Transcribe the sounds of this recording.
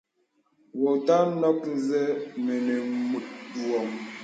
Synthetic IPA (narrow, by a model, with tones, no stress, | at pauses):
wɔ˨ta˦nɔ˦kn̩˦zɛ˦mɛ˨nɛ˨mu˨tu˨ɔ˨m